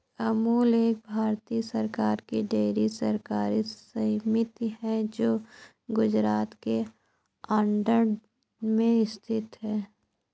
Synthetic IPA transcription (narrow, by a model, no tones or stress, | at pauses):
ɐmuːleːk̚bʱaːɾt̪iːsəɾkaːɾkiɖeːɾisəɾkaːɾisəɦmɪt̪ɦɛd͡ʒoː | ɡʊd͡ʒɾaːt̪ke | aːɳɖəɾ | mẽɪst̪ʰɪt̪ɦɛː